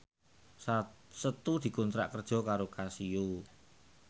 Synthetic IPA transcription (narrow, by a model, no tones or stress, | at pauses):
sət̪ud̪̥i̤kunt̪ɾa̰ʔkərd̥ʒ̥ɔ̤kaɾokasiju